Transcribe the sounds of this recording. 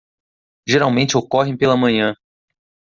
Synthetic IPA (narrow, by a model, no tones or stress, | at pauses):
ʒeɾawmẽnt͡ʃɪokɔɦẽj̃pelɐmɐ̃ɲɐ̃